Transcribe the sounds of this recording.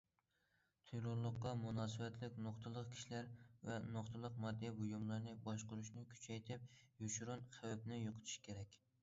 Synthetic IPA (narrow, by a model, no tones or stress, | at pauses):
t̪ʰyjɾoɾlˠʊqːɑmunɑːsɨvɛt̪ʰlɪkʲnoqt̪ʰɨlˠəqkʲʰi̥ʃlæɾvɛnoqt̪ʰɨlˠəq̚mɑd̪ːɛbujumlˠɑɾnɨbɑʃqʊɾuʃnɪkʲʰy̥t͡ʃʰɛjt̪ʰɪp̚juʃɾunχʰæwæp̚nɪjoqʰə̥t̪ʰɪ̥ʃkʲʰeɾɛkʲ